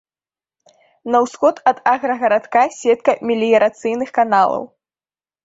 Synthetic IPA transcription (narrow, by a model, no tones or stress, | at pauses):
nɐwsxɔt̪ɐd̪aɣɾɐɣɐɾat̪kasʲɛt̪̚kɐmʲilʲijɐɾat̪sɨjnɨxkanalˠɐ̰w